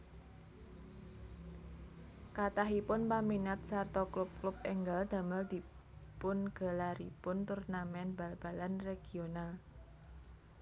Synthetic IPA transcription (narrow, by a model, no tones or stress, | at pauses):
kat̪aɦipʊnpaminat̪̚sart̪ɔklʊp̚klʊp̚ɛŋɡald̪̥ä̤məld̪̥i̤ | pʊnɡ̥a̤laɾḭpʊnt̪urnamɛnb̥a̤lb̥a̤lanreɡ̥ional